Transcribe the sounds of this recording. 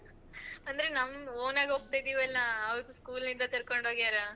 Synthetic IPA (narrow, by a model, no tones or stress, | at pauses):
ɐnd̪ɐɾenɐmːoːnaːɡɦok̚t̪ajd̪iːʋɛlːaːʋd̪uskuːlnind̪ɐt̪iɾkoɳɖoːɡiaːɾa